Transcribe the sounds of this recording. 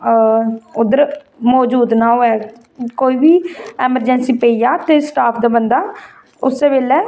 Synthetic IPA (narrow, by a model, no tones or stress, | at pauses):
ʊd̪əɾ | mɔːd͡ʒuːd̪naːɦoːɛː | koːiːbiːɛːməɾd͡ʒɛnsiːpeijaːt̪eːsʈaːpʰd̪aːbənd̪aː | ʊsːeːbeːlɛː